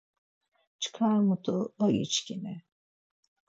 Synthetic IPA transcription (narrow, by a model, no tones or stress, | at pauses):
t͡ʃʰɨ̥kʰaɾmut̪ʰuajḭt͡ʃcʰʲinɪ